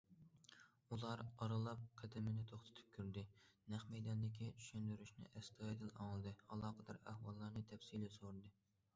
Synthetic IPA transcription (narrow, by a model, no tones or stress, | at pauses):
ulˠɑɾɑɾɨlˠɑp̚qʰɛd̪ɪmɪnɪt̪ʰoχt̪ʰɨ̥t̪ʰɨ̥p̚kʲyɾd̪ɪnæχmɛjd̪ɑnd̪ɪkʲit͡ʃʰy̥ʃynd̪yɾyʃnɪ̰ʔɛst̪ʰɑid̪ɪlɑ̰ŋlˠɨd̪ɨɑlˠɑːqəd̪ɑɾæ̰hwɑlˠːɑɾnɨt̪ʰɛfsilɪsoɾd̪ɨ